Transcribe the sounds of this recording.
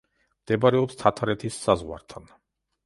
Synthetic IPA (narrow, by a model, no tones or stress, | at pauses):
md̪̥ɛbaɾɛɔpst̪ʰat̪ʰaɾɛt̪ʰisːazʁwa̰ɾt̪ʰan